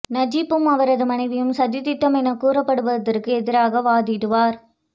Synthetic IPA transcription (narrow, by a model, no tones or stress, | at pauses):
nɐd͡ʒɪpːɯmɐʋɐɾɐðɯmɐnɐɪʋɪjɯmsɐd̪ɪt̪ɪt̪ːɐmɛnɐkuːɾɐpːɐɽɯʋɐðɐrkɯɛðɪɾaːɣɐʋaːðɪɾɯʋaːɾ